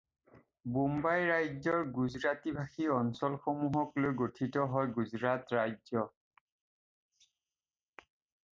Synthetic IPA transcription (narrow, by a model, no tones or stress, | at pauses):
bombajɹajzɔɹɡuzɹatibʱaxiɔnsɔlxomuɦɔklojɡotʰitɔɦɔjɡuzɹatɹajzɔ